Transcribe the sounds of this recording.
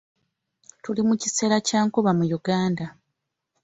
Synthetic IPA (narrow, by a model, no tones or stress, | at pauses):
tulimucise̞ːɾacaːŋkuβamujuɡaːnda